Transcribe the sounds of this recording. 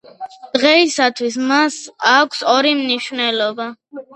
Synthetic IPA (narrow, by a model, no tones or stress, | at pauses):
d̪̥ʁɛisat̪ʰwis̬masakʷʰsɔɾimniʃvnɛlɔba